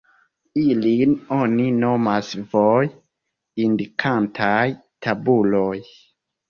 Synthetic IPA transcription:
ilino̞nino̞masvoj | indikʰantʰajtʰabulo̞j

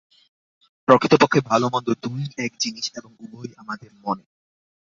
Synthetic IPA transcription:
pɾokʰit̪opokʰːebʱalomɔnd̪od̪ujɛk̚d͡ʑiniʃeboŋubojamad̪eɾmone

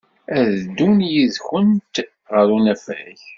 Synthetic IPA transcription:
æðd̪unjiðçənt̪ | ʁəɾunæfæ̰ç

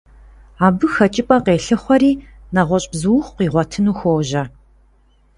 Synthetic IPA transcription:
aːbɨxɐt͡ʃʼɪpʼɐqeːɬɨχʷɔɾiː | nɐʁʷɔɕʼbzɨwχqʷiːʁʷɔtʰɨnuːxʷoːʒɐ

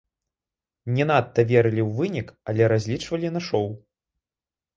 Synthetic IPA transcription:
nʲɛnat̪ːɐvʲɛɾɨlʲiwvɨnʲikɐlʲɛɾazʲlʲit͡ʂvɐlʲinaʂɔw

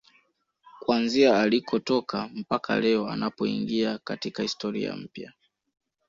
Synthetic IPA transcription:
kwanziaalikʰɔtɔkʰam̩pakʰa̰lɛɔa̰napɔḭŋɡiakatikahistɔɾḭa̰m̩pja

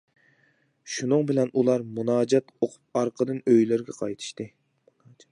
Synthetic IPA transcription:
ʃunɨŋbɪlɛnʔulˠɑɾmunɑːd͡ʒɛt̪oqʰʊ̥p̚ɑɾqʰəd̪ɨnøjlɪɾɡʲɛqʰɑjt̪ʰɨ̥ʃt̪ɨ | munɑːd͡ʒɛ̥t̪

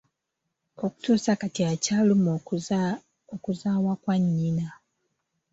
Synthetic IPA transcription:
o̞ku̥tuːsakatiacalum | okuzaːwakwaɲːina

